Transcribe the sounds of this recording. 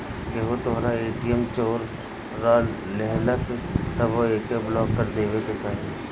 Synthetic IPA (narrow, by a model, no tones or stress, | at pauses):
keɦot̪oɦɾaeːʈijəmt͡ʃoːɾː | a | lɛɦləst̪ɐʋoeːkeblɔːkːəɾd̪eːʋeket͡ʃaːɦie